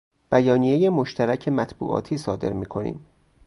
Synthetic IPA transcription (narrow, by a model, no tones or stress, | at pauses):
b̥æjɒːniːje̞jemoʃt̪ʰæɾæcʰe̞mæt̪ʰbṵːʔɒ̰ːt̪ʰiːsɒːd̪e̞̰ɾmiːkʰo̞nḭːm